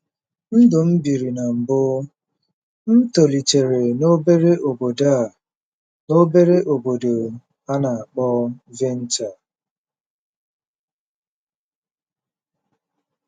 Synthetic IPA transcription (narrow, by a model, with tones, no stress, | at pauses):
n̩˦dʊ˨m̩˦bi˨ɾi˨na˨m̩˨bʊ˦ | n̩˦to˨li˨t͡ʃe˨ɾe˨no˦be˦ɾe˦ʔo˨bo˨da˦˨ | no˦be˦ɾe˦ʔo˨bo˨do˨ | a˦na˨a˨k͡pɔ˦ve˦n̩˦t͡ʃa˨